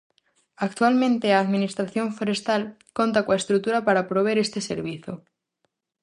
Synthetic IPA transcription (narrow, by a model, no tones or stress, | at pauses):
akt̪walmẽnt̪eaːðmĩnist̪ɾaθjõ̞ɱfoɾe̞st̪al | ko̞nt̪akwaest̪ɾut̪uɾapaɾapɾoβ̞eɾe̞st̪e̞sḛɾβ̞iθjo